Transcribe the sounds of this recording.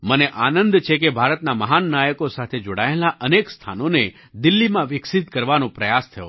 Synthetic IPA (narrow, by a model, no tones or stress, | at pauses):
məneʔanənd̪t͡ʃʰekebʱaɾət̪naməɦanːajəkosat̪ʰed͡ʒoɽaelaʔənekst̪ʰa̰none | d̪ɪlːimãʋɪksɪt̪kəɾʋanõpɾəjast̪ʰəjo̰